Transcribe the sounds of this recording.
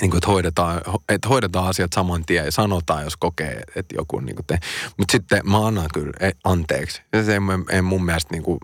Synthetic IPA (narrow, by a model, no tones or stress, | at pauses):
niːŋkuet̪hoiɾet̪ɑːhoet̪hoiɾet̪ɑːɑsiɑt̪sɑmɑnt̪iæjɑsɑnot̪ɑːjoskokḛːḛt̪jo̰kṵnnḭːŋku̥t̪ehmut̪sit̪ːemɑɑnːɑkyleɑnt̪ḛːksɑemeḛimummiælst̪niːŋku